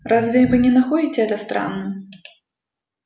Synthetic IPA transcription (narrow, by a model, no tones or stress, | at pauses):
ɾazvʲɛvɨnʲɛnaxɔd͡zʲit͡sʲɛd̪ɐst̪ɾa̰nːɨm